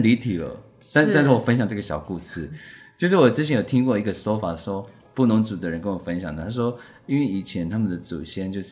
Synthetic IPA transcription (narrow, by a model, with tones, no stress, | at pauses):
li˧˥t̪ʰi˨˩lə̰˦ | ta˥˧nta˥˧nʂ̩˥˩wɔ˨˩fə˥nɕjɑ˨˩ŋʈ͡ʂɤ˥˩ɡə˩ɕjɑ˨˩ʊku˥˧ʂɻ̩˥˩t͡ɕjo˥˧ʂɻ̩˥˩wɔ˨˩ʈ͡ʂɻ̩˥˩t͡ɕʰɛ˧˥njo˨˩t̪ʰi˥ŋkwɔ˥˩i˧˥ɡə˨so˥ʊfa˨˩ʂɔ˥ | pu˥˩nʊ˧˥ŋt͡su˨˩d̪ə˦ɻə˧˦nkə˥nwɔ˨˩fə˥nɕjɑ˨ŋd̪ə˨˩t̪ʰa˥ʂ̬wɔ˥ | i˥nwe˥˩ɪi˨˩t͡ɕʰjɛ˧˥nt̪ʰa˥mə˨nd̪ə˩t͡sṵ˨˩ɕjɛ˥nt͡ɕjo˥˧ʊʂ